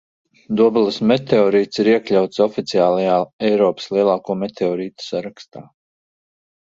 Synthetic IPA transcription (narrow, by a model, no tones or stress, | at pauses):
d̪uɔbulˠasmet̪eɔːɾiːt̪siɾiɛklʲawt̪sɔfit̪siaːlˠajaːɛjɾɔːpə̥slˠiɛlˠaːkuːmɛt̪ʰeɔːɾiːt̪u̥saɾakst̪aː